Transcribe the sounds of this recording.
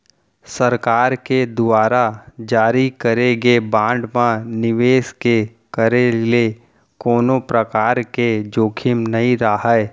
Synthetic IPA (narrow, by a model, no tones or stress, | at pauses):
səɾkaːɾked̪ʊaːɾad͡ʒaːɾikəɾeɡebãːɳɖmãnɪʋeːske | kəɾele | koːnopɾəkaːɾked͡ʒoːkʰɪmnɐɦĩɾaɦɛ